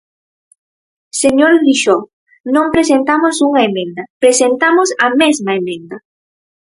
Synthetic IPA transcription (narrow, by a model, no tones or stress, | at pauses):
seɲoɾðiʃo | nõmpɾesent̪amosuŋɐemẽnd̪ɐpɾesent̪amosɐmezmaemẽnd̪ɐ